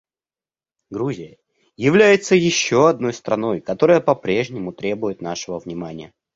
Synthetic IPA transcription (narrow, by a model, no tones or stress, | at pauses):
ɡɾuzʲɪjə | jɪvlʲæjɪt̪səjɪɕːoɐd̪no̞jst̪ɾɐno̞jkɐt̪o̞ɾəjəpɐpɾʲe̞ʐnʲɪmʊt̪ɾʲe̞bʊjɪt̪naʂɨvəvnʲɪmanʲɪjə